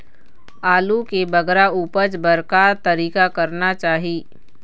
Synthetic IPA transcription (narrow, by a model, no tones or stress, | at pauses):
aːlukebɐɡɾauːpəɾt͡ʃbɐɾkaːɾt̪ɐɾiːkakɐɾnat͡ʃaːɦiː